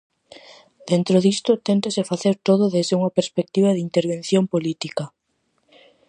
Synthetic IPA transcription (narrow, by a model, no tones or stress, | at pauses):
d̪̥ent̪ɾoðist̪ʊt̪ent̪asefaθeɾt̪oðʊðezðeuŋɐpeɾspek̚t̪iβaðɪint̪eɾβ̞ẽn̟θjompolit̪ikɐ